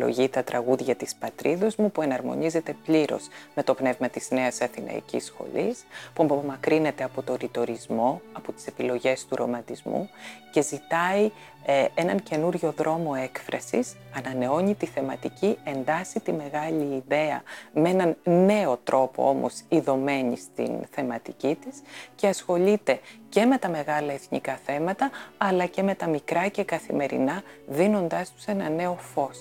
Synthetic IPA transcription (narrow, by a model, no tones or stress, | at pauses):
lo̞̰ʝit̪ɐt̪ɾɐɣuðʝɐt̪ispɐt̪ɾʔiðozmupue̞nɐɾmo̞̰nize̞t̪e̞pʎiɾo̞̰sme̞t̪o̞pne̞vmɐt̪iz̥ne̞ɐsɐθinɐ̰ḭcḭsxo̞̰lispuɐpoomɐkɾine̞t̪e̞ɐpo̞t̪o̞ɾit̪o̞ɾizmo̞ɐpot̪i̥se̞pilo̞ʝe̞st̪uɾo̞̰mɐt̪izmṵce̞zit̪ɐi | e̞nɐnce̞nuɾʝo̞ðɾo̞mo̞e̞kfɾʔɐ̰sis | ɐnɐne̞o̞ɲit̪iθe̞mɐt̪icie̞nd̪ɐsit̪ime̞ɣɐʎiːðe̞ɐ̰mee̞nɐnnːe̞o̞t̪ɾʔo̞po̞̰o̞mo̞̰siðo̞me̞ɲḭst̪ḭnθe̞mɐt̪icit̪isce̞ɐsxo̞ʎit̪e̞ce̞me̞t̪ɐme̞ɣɐlɐeθnḭkɐθe̞mɐt̪ɐɐlɐce̞me̞t̪ɐmikɾɐce̞kɐθḭme̞ɾḭnɐðino̞nd̪ɐst̪u̥se̞nɐne̞o̞fo̞s